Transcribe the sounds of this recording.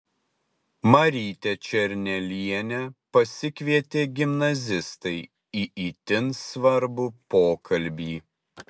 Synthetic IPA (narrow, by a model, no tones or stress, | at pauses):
mɐɾʲiːt̪ʲɛt͡ʃʲɛɾʲnʲɛlʲiɛnʲɛpɐsʲɪkʲʋʲiɛt̪ʲeːɡʲɪmnɐzʲɪst̪ɐɪ | iːʔiːt̪ʲɪnsʋɐɾbupoːkʰɐlʲˑbʲiː